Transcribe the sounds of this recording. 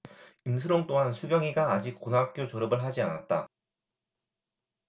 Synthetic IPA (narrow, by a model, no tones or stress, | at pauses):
imsʰɯɾoŋt͈oɦansʰuɡjʌŋiɡaːd͡ʑik̚k͈onɦak̚k͈jot͡ɕoɾɯbɯɭɦad͡ʑiana̰t̚t͈a̰